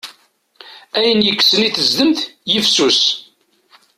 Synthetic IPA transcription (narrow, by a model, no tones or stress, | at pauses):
æjənjəkːsəniθəzðəmθjəfsus